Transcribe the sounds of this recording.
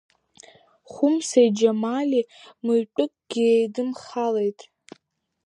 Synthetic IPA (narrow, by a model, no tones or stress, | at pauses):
χʷʊmsajd͡ʒamalimɨjpʷʼʊkʼɡ̥ʲiejdɨmχale̞jtʼ